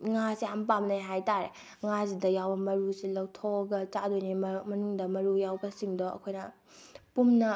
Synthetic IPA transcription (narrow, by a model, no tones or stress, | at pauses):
ŋasehampamnajɦajtaɾe | ŋazidɐjawbɐmɐɾusilɐwtʰoɡɐt͡ʃadojnimɐnuŋdɐmɐɾujawbɐsiŋdoɐ̰kʰojnɐ | pumnɐ